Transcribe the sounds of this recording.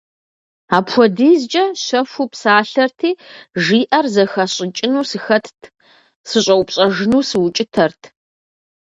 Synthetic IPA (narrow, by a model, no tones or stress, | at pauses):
aːpxʷɔdiːzt͡ʃʼɐɕɐfʷupsaːɬɐrtʰiːʒiːʔɐrzɐxɐɕʼɪt͡ʃʼɪnuːsɨxɐtʰtʰ | sɨɕʼɐwpɕʼɐʒɪnuːsɨwʊt͡ʃʼɪtʰɐrtʰ